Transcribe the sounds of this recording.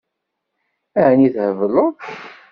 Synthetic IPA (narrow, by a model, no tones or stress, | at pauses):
æʕəniθhəvəloð